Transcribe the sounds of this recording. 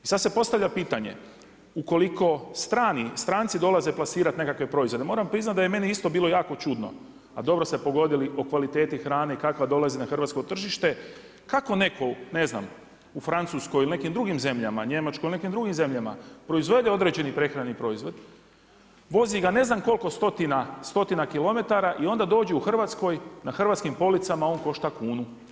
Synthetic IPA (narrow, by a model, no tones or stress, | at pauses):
isad̪se̞po̞st̪aʋʎʲapiːt̪aɲe̞̰ | uko̞liko̞st̪ɾaːnist̪ɾaːnt̪sid̪o̞lazeplasiːɾat̪ne̞kakʋe̞pɾo̞izʋo̞d̪emo̞ːɾampɾiznat̪d̪ajeme̞niist̪o̞biːlo̞jaːko̞t͡ʃud̪no̰ | ad̪o̞bɾo̞st̪epo̞ɡo̞d̪ilio̞kʋalit̪e̞ːt̪ixɾaːne̞ikakʋad̪o̞lazinaxr̩ʋat̪sko̞t̪r̩ʒiʃt̪e̞ | kako̞ne̞kʰo̞ne̞zna̰m | ufɾant̪susko̞jiline̞kimd̪ɾuɡimze̞mʎama̰ɲe̞mat͡ʃkojline̞kimd̪ɾuɡimze̞mʎama̰pɾo̞izʋe̞d̪eo̞d̪ɾe̞d͡ʑe̞nipɾe̞xɾanipɾo̞izʋo̞d̪ | ʋo̞ziɡane̞znamko̞lˠko̞st̪o̞t̪inast̪o̞t̪inakilˠo̞me̞t̪aɾaʔio̞nd̪ad̪oːd͡ʑeuxr̩ʋat̪sko̞jnaxr̩ʋat̪skimpo̞lit̪samaonko̞ʃt̪akuːnu